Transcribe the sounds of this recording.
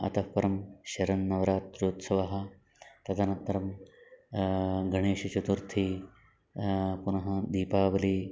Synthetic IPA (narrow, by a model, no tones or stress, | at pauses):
ɐ̰t̪ɐhpɐɾɐmʃɐɾɐnːɐʋɐɾaːt̪ːɾjuːt̪sɐʋɐɦɐ̆ | t̪ɐt̪ʰɐnɐt̪ːɐɾɐm | ɡʱɐɳeːʃɐt͡ʃut̪uɾt̪ʰi | punɐɦɐd̪iːpaːʋɐliː